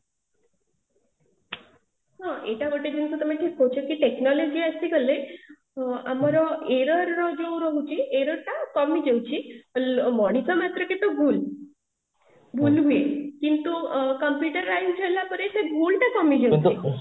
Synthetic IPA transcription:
ɦãʔeʈaʋəʈed͡ʑinsut̪əmeʈʰiːkɦɔwt͡ʃʰəkiʈeknɔlɔd͡ʑiəst̪iɡəle | amaɾɔeɾəɾːɔd͡ʒoɾɔɦut͡ɕiʔeɾəɾʈakɔmid͡ʑewt͡ɕi | mɔɽ̃ikɔmat̪ɾəket̪obul | bʱulɦuekint̪ukəmpjuʈəɾːajfd͡ʒəlapəɾeseɡulʈ̪akɔmid͡ʑewt͡ɕi

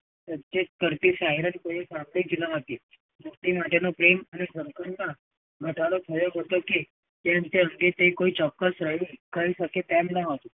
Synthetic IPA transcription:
sətetkəɾt̪iːsaɦiɾənkoʋisãmɡɽiːd͡ʒinaɦot̪i | mokʈimaʈenopɾemanesəŋkəɾna | ɡʱəʈaɽot̪ʰəjoɦot̪oki | t̪eənt̪eəŋɡet̪ːeikoiːt͡ʃɔkːəsɾəɦikəisəket̪ɛmnaɦot̪o

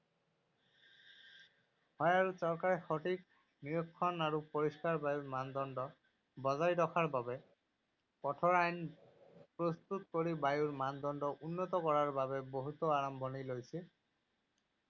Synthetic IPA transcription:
hɔjaɹusɔɹkaɹɛxɔʈik | niɹɔkʰːɔnaɹupoɹiskaɹbajuɹmand̪ɔndɔ | bɔzaɹjdɔkʰaɹbabɛ | pɔtʰɔɹajn | pɹost̪ut̪koɹibajuɹmand̪ɔnɖɔʔunːɔt̪ɔkɔɹaɹbabɛboɦut̪ɔaɹɔmbʱɔnilojsi

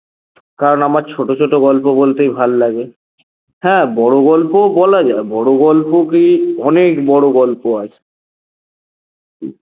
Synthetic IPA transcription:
kaɾonamaɾt͡ɕʰoʈot͡ɕʰoʈoɡɔlpobolt̪ejbʱalːaɡe | hɛ̃bɔɽoɡɔlpobɔlad͡ʑaebɔɽoɡɔlpokiɔnekbɔɽoɡɔlpoat͡ɕʰe̥ | kḭ

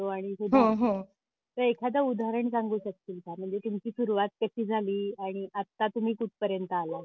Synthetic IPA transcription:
oaɽ̃isud̪ɦoaɦo | t̪əɾekʰad̪̬əud̪ʱaɾəɳsãŋɡuːɕək̚t̪iːlkam̤əɳd͡zet̪umt͡ɕiːsuɾuʋat̪̚kəɕiːd͡zʱaliːaɽ̃iʔat̪ːat̪um̤iːkuʈ̚ʰpəɾjənt̪əala

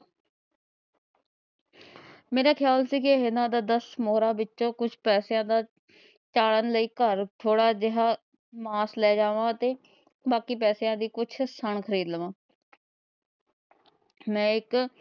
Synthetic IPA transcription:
meːɾaːkʰjaːlsiːkɪɦɪnãːd̪aːd̪əsmoːɾaːbɪtːʃõːkʊt͡ʃʰpɛːsjãːd̪aː | t͡ʃaːɽənləiːkəɾt̪ʰoːɽaːd͡ʒɪɦaː | maːslɛːd͡ʒãːʋaːət̪eː | baːkiːp̬ɛːsjãːd̪iːkʊt͡ʃʰsəɳkʰəɾiːd̪lʋãː | mɛ̃ːɪk

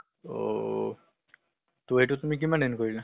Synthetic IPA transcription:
o̰ | toejtutumik̬imanenkoɹila

